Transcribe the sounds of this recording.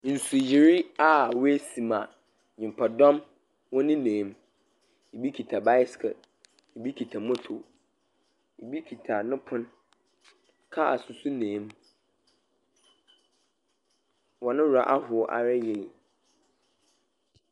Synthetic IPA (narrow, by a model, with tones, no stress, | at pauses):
n̩˨su˨ji˨ɾɪ˦a˨we˦sĩ˨mã˨ | ɲɪ̃˨m˨pʰa˨dɔ̃˦m | wɔ̃˦nɪ̃˦nẽː˨˦m | i˨bi˦kʰi˨tʰa˨ba˦jskʰɛ̰˨ | i˨bi˦kʰi˨tʰa˨mɔ̃˦tʰo˨ | i˨bi˦kʰi˨tʰa˨nɪ̃˦pʰʊ̃˦n | kʰa˦a˨sʊ˨sʊ˦nẽː˨˦m | wɔ˨nɪ̃˦wu˨ɾa˨ʔa˦hʊ˨ɔ˦ʔa̰˨ɾɛ˦jɛ˦˨